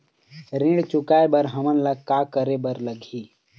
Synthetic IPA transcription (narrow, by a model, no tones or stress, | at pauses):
ɾĩɽt͡ʃʊkaebəɾɦəmənlakakəɾebəɾləɡʱiː